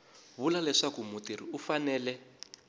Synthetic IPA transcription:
βulalɛʂakumutiɾḭufanɛːlɛ

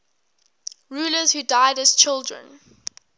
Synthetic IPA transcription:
ɹuːləzhuːdaɪdəz̥t͡ʃʰɪlˠdɹə̰̃n

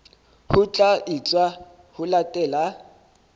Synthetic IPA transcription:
hʊt͡ɬʼait͡sʼwa | hʊlatʼɛːla

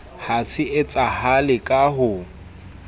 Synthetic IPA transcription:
hasɪʔɪt͡sʼahalɪkʼaɦʊ

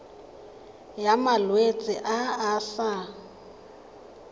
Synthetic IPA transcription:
jamalwet͡sʼɪʔaːɬa

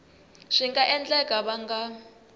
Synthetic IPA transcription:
ʂiŋɡaʔɛnd͡ɮɛkʼaβaŋɡa

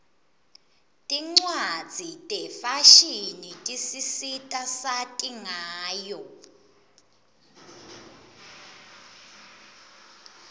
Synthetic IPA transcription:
tʼiŋ͡ǀwad̥d͡z̥ʱitʼɛfaʃinitʼisisitʼasatʼiŋaːjɔ

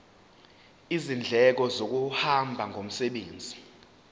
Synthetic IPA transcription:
izind͡ɮʱɛk̬ɔzok̬uhambʱaŋʱom̩sɛɓeːnd͡zʱi

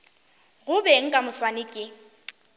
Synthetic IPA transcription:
ɣʊbɛŋ̩kʼamʊswanɪkʼɪ

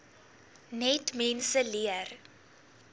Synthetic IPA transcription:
nɛtmɛnsəliər

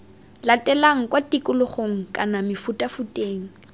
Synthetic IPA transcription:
latʼɛlaŋ̩kʼwatʼikʼʊlʊχoŋ̩kʼanamɪfutʼafutʼeːŋ̩

